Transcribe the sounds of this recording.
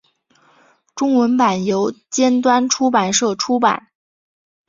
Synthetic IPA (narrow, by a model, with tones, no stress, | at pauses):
ʈ͡ʂʊ˥ŋwə˧˥npa˨˩njo˧˥ʊt͡ɕjɛ˥nt̪wa˥nʈ͡ʂʰu˥pa˨˩nʂɤ˥˩ʈ͡ʂʰu˥pa̰˨˩˦n